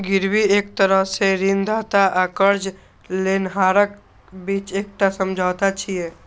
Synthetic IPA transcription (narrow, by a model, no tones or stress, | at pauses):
ɡɪɾwieːk̚t̪əɾəɦseɾiːnd̪aːt̪aʔaːkəɾd͡ʒ | leːnɦaːɾək | biːt͡ʃeːk̚ʈasəmd͡ʒʱaːt̪at͡ʃʰieː